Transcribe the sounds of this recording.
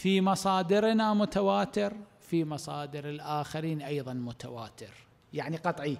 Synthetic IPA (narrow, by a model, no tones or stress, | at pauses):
fimɑsˤɑːd̪ɪɾnamʊt̪awaːt̪ɪɾ | fimɑsˤɑːd̪ɪɾɪlʔaːxaɾiːnʔɑjðˤɑnmʊt̪a̰waːt̪ɪɾ | jaʕniqɑt̪ˤʕi